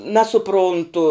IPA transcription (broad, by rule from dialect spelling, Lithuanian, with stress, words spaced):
nɐsʊˈprʊntʊ